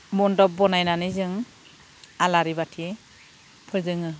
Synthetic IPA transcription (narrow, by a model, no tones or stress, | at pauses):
mɔndɔp̚bɔnajnanɯzɯŋ | alaɾibatʰi | pʰɯɾzɯŋɯ